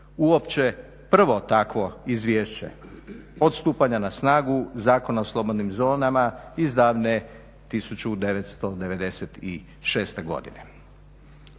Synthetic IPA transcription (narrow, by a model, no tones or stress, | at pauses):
uopt͡ɕe | pr̩ʋo̞t̪akʋo̞izʋjeːʃt͡ɕe̞̰ot̪st̪uːpaɲanasnaːɡuzaːko̞naoslˠo̞bo̞d̪nimzo̞ːnamaizd̪aːʋne | t̪isut͡ɕud̪e̞ʋet̪st̪o̞d̪e̞ʋe̞d̪e̞set̪i | ʃe̞ːst̪e̞ɡo̞̰d̪ḭnḛ